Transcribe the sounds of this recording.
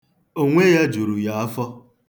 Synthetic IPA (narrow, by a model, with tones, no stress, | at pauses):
o˦ŋʷe˦ja˦d͡ʒu˨ɾu˨ja˨a˦fɔ˦